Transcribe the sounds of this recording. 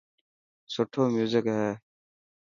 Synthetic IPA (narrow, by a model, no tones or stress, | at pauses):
sʊʈʰoːmjuːzɪkɦɛː